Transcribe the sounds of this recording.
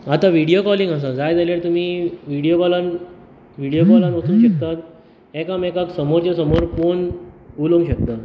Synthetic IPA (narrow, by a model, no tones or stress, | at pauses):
at̪ãʋiɽijokɔliŋɡas̬ãd͡zajd͡zaljaɭt̪um̤iːʋiɽijokɔlan | ʋiɽijokɔlanʋət̪uːnɕəkt̪at̪ | ɛkãmɛkaksəmoɾt͡ɕasəmoɾkonuloŋɡɕək̚t̪a